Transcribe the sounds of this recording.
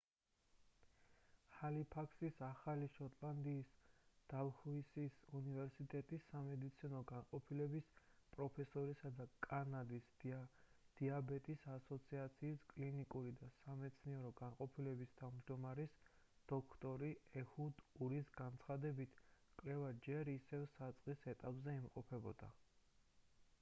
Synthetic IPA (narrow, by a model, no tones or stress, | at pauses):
halipʰakʰsisaχaliʃɔt̪ʼland̪iːsd̪̥avhuisisunivɛɾsit̪ʼɛt̪ʼisːamɛd̪it̪sʰinɔɡanqʼɔpʰilɛbispʼɾɔpʰɛsɔɾisad̪akʼanad̪is | d̪̥iabɛt̪ʼisasɔt̪sʰiat̪sʰiːskʼlinikʼuɾid̪asamɛt̪sʰniɛɾɔɡanqʼɔpʰilɛbist̪ʰavmd͡ʒd̪ɔmaɾisd̪̥ɔkʰt̪ʼɔɾiɛhud̪uɾisɡant̪sʰχad̪ɛbit̪ʰkʼlɛvad͡ʒɛɾisɛvsat̪sʼqʼisɛt̪ʼapʼzɛimqʼɔpʰɛbɔd̪̥a̰